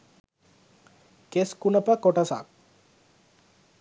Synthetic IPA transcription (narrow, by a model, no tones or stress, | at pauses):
keskunəpakɔʈasa̰k